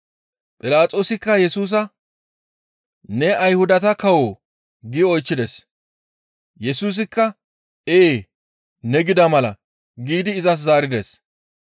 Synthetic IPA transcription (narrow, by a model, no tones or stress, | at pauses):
pʼɪlaːt͡sʼo̞ːsɪkːɐjɛsuːs̬ɐ | nɛɐjhʊd̪ɐt̪ɐkɐwoː | ɡɪɔjt͡ʃːɪd̪ɛs | jɛsuːs̬ɪkːɐ | eː | nɛɡɪd̪ɐmɐlɐ | ɡiːd̪ɪːzɐs̬zaːɾɪd̪ɛs